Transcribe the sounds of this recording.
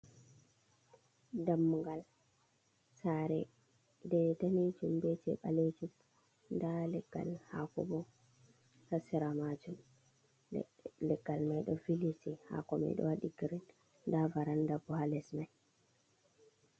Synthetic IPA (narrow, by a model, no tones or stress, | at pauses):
damːuŋɡal | saɾɛ̰ | dɛtanid͡ʒumbɛtɛ̰ɓa̰led͡ʒum | ndalɛɡ̥ːa̰lhakɔ̰bɔ | tasiɾamad͡ʒum | lɛɡalmajɗɔfilisiha̰kɔma̰jɗɔ̰waɗiɡiɾin | davaɾandabɔhalɛsmaj